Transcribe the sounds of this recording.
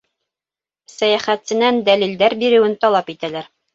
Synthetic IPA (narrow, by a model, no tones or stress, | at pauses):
sæjæχæt̪sɘ̆nænd̪ælild̪æɾbiɾɘ̆wɘnt̪ɒlˠɑpit̪ælæɾ